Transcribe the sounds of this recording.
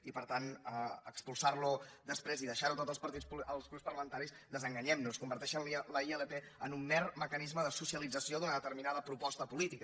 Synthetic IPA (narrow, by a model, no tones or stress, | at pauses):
ipəɾt̪anəəkspulˠsarlud̪əspɾeziðəʃaɾut̪ot̪zəspəɾt̪ispəlˠzɣɾupspərləmənt̪aɾisd̪əzəŋɡəɲɛmnuskumbəɾt̪ɛʃənliləieləpe | ənumːɛrməkənizməðəsusjəlid͡zəsioðunəðət̪əɾminaðəpɾupɔst̪əpulit̪ik